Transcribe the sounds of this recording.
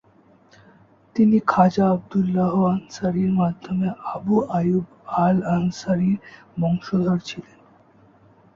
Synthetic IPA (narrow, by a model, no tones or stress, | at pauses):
t̪inikʰad͡ʑaab̚d̪ulːaɦoansaɾiɾmad̪ʱːomeabuʔajub | alansaɾiɾ | mɔŋʃod̪ʱaɾt͡ɕʰilen